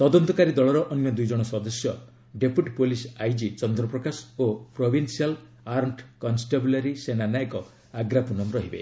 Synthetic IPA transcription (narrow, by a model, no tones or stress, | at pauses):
t̪ɔd̪ɔnt̪ɔkaɾid̪ɔɭɔɾɔʔɔnjɔd̪ujd͡ʒɔɽ̃ɔsɔd̪ɔsjɔ | ɖepuʈpolisajd͡ʒit͡ʃɔnd̪ɾɔpɾɔkasopɾobʱinsial | aɾɳʈkɔnsʈeblaɾisenanajkɔ | aɡɾapunɔmɾɔɦibḛ